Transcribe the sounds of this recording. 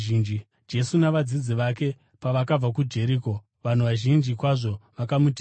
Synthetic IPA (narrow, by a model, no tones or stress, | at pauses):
iːnd͡ʒi | d͡ʒe̞sunaʋad͡zid͡ziʋake̞ | paʋakab͡vak̬ud͡ʒe̞ɾiːko̞ | ʋan̤uʋaʒind͡ʒikwaʐo̞ʋakamutː